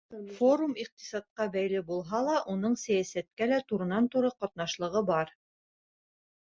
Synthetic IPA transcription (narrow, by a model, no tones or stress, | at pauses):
foɾumiq̚t̪i̥sɑt̪̚qɑbæjlɘbulˠɦɑlˠɑʔunɤɴsæjæsæt̪̚kælæt̪uɾɤ̆nɑnt̪uɾɤqɒt̪nɑʃlˠɤ̆ʁɤbɑɾ